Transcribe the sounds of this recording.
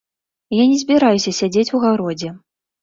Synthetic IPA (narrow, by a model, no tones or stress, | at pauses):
janʲɛzʲbʲiɾajusʲɐsʲad͡zʲet͡sʲuɣawɾɔd͡zʲɛ